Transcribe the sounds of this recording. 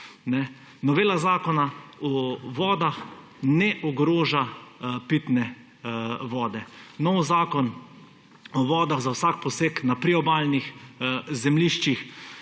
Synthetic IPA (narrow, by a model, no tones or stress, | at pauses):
nɛ | nɔʋeːlazaːkɔnaɔʋɔːd̪ax | nɛʔɔɡɾoːʒapit̪nɛ | ʋɔːd̪ɛnɔwzaːkɔn | ɔʋɔːd̪aɣzawsak̚pɔseːknapɾiɔbaːlnixzɛmliːʃt͡ʃix